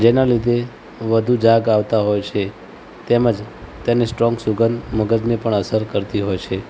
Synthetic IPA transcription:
d͡ʒenalid̪ʱe | ʋəd̪ʱud͡ʒaɡaʋt̪aɦojt͡ʃʰe | t̪eməd͡ʒt̪janesʈɾɔ̃ŋɡsuɡənməɡəd̪nepəɳəsəɾkəɾt̪iɦojt͡ʃʰe

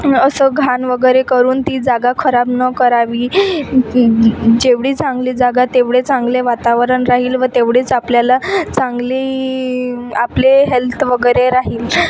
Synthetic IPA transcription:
əsəːɡʱanʋəɡəjɾekəɾuːnt̪iːd͡zaɡakʰəɾabnəkəɾaʋiː | d͡ʑeʋɽiːt͡sãŋɡliːd͡zaɡat̪eʋɽet͡sãŋɡleʋat̪aʋɾəɳɾaɦiːlʋət̪eʋɽet͡sapljalat͡sãŋɡliː | apleɦelt̪ʰʋəɡəjɾeɾaɦiːl

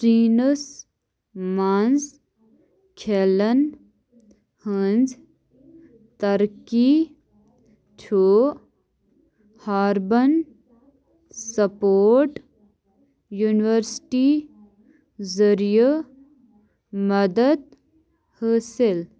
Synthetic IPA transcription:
ɾiːnəs | manz | kʰelən | hənd͡z | t̪ɐɾki | tʰoː | haːɾbən | sɐpoːɾʈ | juːniʋəɾsʈi | zəɾijə | mɐd̪əd̪̚ | həːsel

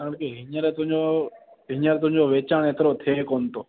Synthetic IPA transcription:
aːɽkeɦɪɲəɾeːt̪ʊɦɪ̃ɲoː | ɦɪɲəɾt̪ʊɦɪ̃ɲd͡ʒoːʋeːt͡ʃaːɽ̃et̪ɾoːt̪ʰeːkoːnt̪oː

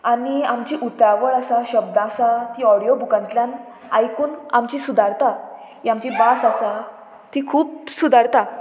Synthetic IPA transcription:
aniamt͡ɕiʔut̪aʋəɭasaɕəbd̪ãsat̪iɔɽijobukãnt̪ljan | ajkuːnamt͡ɕisud̪ʱaɾt̪a | iamt͡ɕibasasa | t̪ikʰuːpsud̪ʱaɾt̪a

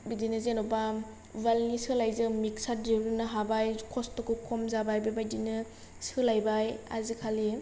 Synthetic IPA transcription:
bidinɯzenɔba | valnisɯlajzɯmik̚sadiɾunɯɦabajkʰɔstɔkɯkʰɔmzabajbabajdinɯ | sɯlajbaja̰zikʰali

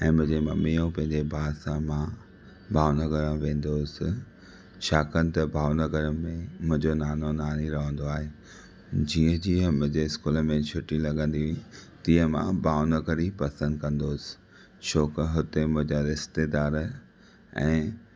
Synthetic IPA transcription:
ɛ̃ːmʊ̃ɦɪ̃ɲd͡ʑemɐmijõpɐ̃ɦɪ̃ɲd͡ʑebʱaːsãmã | bʱaːʋnɐɡəɾəʋẽːn̆d̪oːsɪ̆ | ʃaːkənɪ̆t̪ɐbʱaːʋnɐɡəɾəmẽmʊ̃ɦɪ̃ɲd͡ʑonaːnonaːniɾɐɦə̃n̆d̪oaːɦeː | d͡ʑiːə̃d͡ʑiːəmʊ̃ɦɪ̃ɲd͡ʑeɪskuːləmẽt͡ɕʰʊʈilɐɡə̃nd̪iɦt̪iːə̃mã̰bʱaːʋnəɡəɾipɐsə̃nd̪̚kɐ̃nd̪oːsɪ̥ | ʃʰoːkɦʊt̪emʊ̃ɦɪ̃ɲd͡ʑaɾɪst̪ed̪aːɾ | ɛ̰̃ː

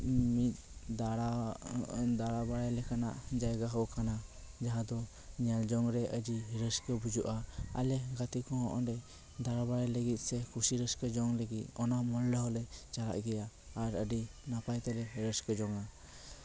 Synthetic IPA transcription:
mit̪̚ˀd̪aɽa | d̪aɽabaɽajlɛkana̰ʔd͡ʒajɡaɦɔʔkana | d͡ʒaɦad̪ɔ | ɲald͡ʒɔŋɾɛʔəd͡ʒiɦiɾəskəbud͡ʒuʔaa̰lɛɡat̪ikɔɦɔʔɔ̰ɖɛ | d̪aɾabaɽajləɡit̪̚ˀsɛkʰusiɾəskəd͡ʒɔŋləɡit̪̚ɔnaʔmɔllɛɦɔlɛt͡ʃala̰ʔɡɛjaː | ɾəɖinapajt̪ɛlɛɦiɾəskəd͡ʒɔŋa

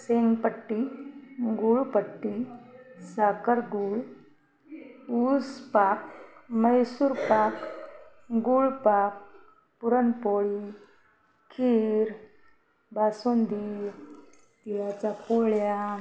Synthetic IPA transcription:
seŋɡpəʈːi | ɡuɭpəʈːisakəɾɡuɭ | uspakməjsuːɾpak | ɡuɭpak̚ | puɾənpoɭi | kʰiɾ | basund̪i | t̪jat͡sapoɭja

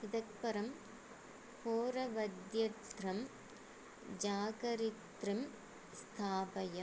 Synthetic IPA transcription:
ɪðɐk̚pɐɾɐm | poːɾɐʋɐd̪jɐt̪ɾɐm | d͡ʒaːɣɐɾɪt̪ɾɯm | st̪ʰaːbɐjɐ

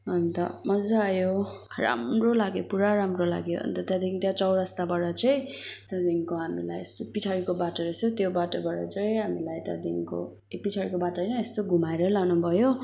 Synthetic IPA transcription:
ʌnt̪ʌ̰mʌd͡zaːjo | ra̰mrolaɡjopuɾaɾamrola̰ɡjo̰ʌ̰nt̪ʌt̪jãd̪ikt̪jat͡sʌwɾʌst̪abaɾʌt͡sʌj̃t̪jãd̪iŋkoɦamila̰jest̪opit͡sʰaɾikobaʈʌɾʌsot̪jobaʈʌbaɽʌ̰t͡sʌj̃ɦamilajt̪ja̰d̪iŋko̰ | epit͡sʰaɾikobaʈʌjnʌest̪oɡʱumaeɾʌlanubʱʌjo

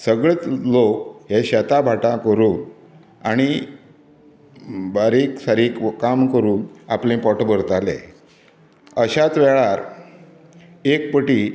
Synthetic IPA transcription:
səɡɭet͡slokɦeɕɛt̪abʱaʈakəɾuːn | aɽ̃i | baɾiksaɾikkamkəɾuːnaplẽpɔʈbəɾt̪alḛ | əɕat͡sʋɛɭaɾ | ekpəʈiː

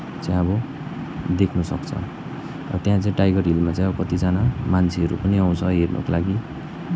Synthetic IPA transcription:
t͡saj̃ʌbʌ | d̪ekʰnusʌkt͡sʰʌ̰ | rʌt̪jãt͡saĩʈajɡʌrɦilmat͡sãj̃ʌbʌkʌt̪id͡zanamant͡sʰiɦʌɾṵpʌniaw̃t͡sʰʌɦernʔʌ̰kolaɡi

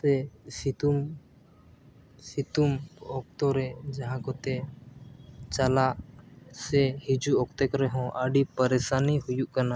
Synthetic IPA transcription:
ɛsit̪um | sit̪umɔk̚t̪ɔɾɛd͡ʒaɦãkɔt̪ɛ | t͡ʃalaʔsɛhid͡ʒuɔkt̪ɛkɾɛɦɔ̃ʔəɖipəɾɛsanihujuʔkana

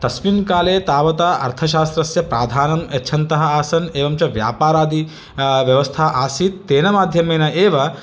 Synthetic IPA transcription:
t̪ɐsmimkaːleːt̪aːʋɐt̪aːʔɐ̰ɾt̪ʰɐʃaːst̪ɾɐsjɐpɾaːd̪ʱaːnɐmɐtːt͡ʃʰɐnt̪ɐɦɐaːsɐneːʋɐmt͡ʃɐʋja̰ːpaːɾaːd̪i | ʋjɐʋɐst̪ʰaːʔaːsit̪ːeːnɐmaːd̪ʱjɐmeːnɐʔeːʋɐ

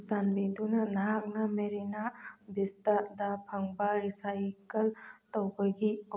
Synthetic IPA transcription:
sanbind̪unanaɦaknameɾinabist̪ad̪apʰəŋbaɾisajkɐlt̪əwbəɡi

